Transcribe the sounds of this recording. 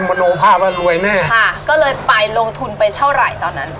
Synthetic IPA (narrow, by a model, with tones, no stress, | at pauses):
ma˧noː˧˦pʰaː˥˩p̚laː˥˩ɾu˧əjnɛː˥˩kʰa˥˩kɔː˥˩lɤː˧jpa˧jlo˧ŋt̪ʰu˧npa˧jt̪ʰa˥˩wɾa˨˩jt̪ɔː˧nːa˦˥n